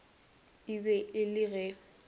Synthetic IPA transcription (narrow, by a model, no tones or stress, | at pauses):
ibɛʔɪlɪɣɛ